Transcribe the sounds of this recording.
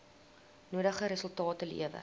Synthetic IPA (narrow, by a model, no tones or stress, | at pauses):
nuədəχəɾəsəlˠtɑːtəlḭəvə̰